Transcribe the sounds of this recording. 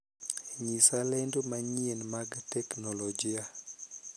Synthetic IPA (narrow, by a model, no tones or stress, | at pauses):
ɲisalɛndomaɲienmaɡtɛknɔlɔd͡ʒia